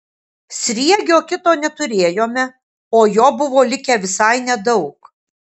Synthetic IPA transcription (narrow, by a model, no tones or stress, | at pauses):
sʲɾʲiɛɡʲoːkʲɪt̪oːnʲɛt̪ʊɾʲeːjoːmʲɛ | oːjoːbʊʋoːlʲɪkʲɛʋʲɪsɐɪnʲɛd̪ɐʊk